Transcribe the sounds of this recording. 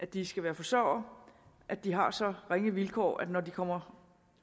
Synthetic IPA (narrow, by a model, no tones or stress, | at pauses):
ʔæ̥d̥isɡ̥æʋæːɐfɒ̽sœʊ̰ɐ | ʔæ̥d̥iɦɑ̈sɒ̽ʁeŋəʋilkʰɒ̰ːʔæ̥nɒd̥ikʰɒ̽m̰ɐ